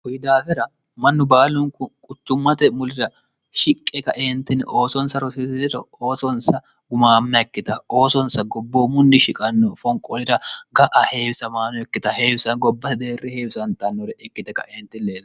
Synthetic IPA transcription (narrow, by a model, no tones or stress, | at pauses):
hʊjɪd̪aːfɛɾɐ | mɐnːʊbaːlʊŋkʊkʼʊt͡ʃːʊmːɐt̪ɛmʊlɪɾɐ | ʃɪkʼːɛkɐʔeːnt̪ːɪnʔo̞ːsɔnsɐɾɔsɪssɪɾɔoːsɔnsɐ | ɡʊmaːmnɐɛkːɪt̪ɐo̞ːsɔnsɐɡɔbːoːmʊnːɪʃɪkʼɐnːɔfɔŋkʼɔlɪɾɐɡɐʔɐhe̞ːwɪsɐmaːnɔɛkːɪt̪ɐhe̞ːwɪsɐnɡɔbːɐt̪ɛd̪e̞ːrːɛheːwɪsɐnt̪ɐnːɔɾɛɛkːɪt̪ɛkːɐ̰ʔeːnt̪ːɪnleːzɐ